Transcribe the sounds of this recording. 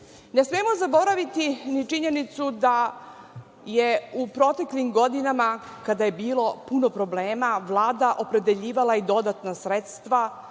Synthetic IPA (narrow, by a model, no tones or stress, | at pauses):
nesmemo̞zabo̞ɾaʋit̪init͡ʂiɲe̞nit̪sud̪a | jeupɾo̞t̪e̞klimɡo̞d̪inamakad̪aje̞biːlˠo̞puno̞pɾo̞bleːmaʋlˠaːd̪aʔo̞pɾe̞d̪e̞ʎiːʋalaid̪o̞d̪at̪nasɾet̪st̪ʋa